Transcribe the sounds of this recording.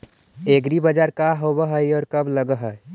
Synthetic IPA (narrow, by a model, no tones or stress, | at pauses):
eɡɾibəd͡ʒaɾkaɦobəɦəjɔːɾkəbləɡəɦəj